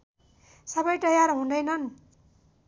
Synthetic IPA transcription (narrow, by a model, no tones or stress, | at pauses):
sʌbʌjʈ̪ʌjarɦũnd̪ʌjnʌn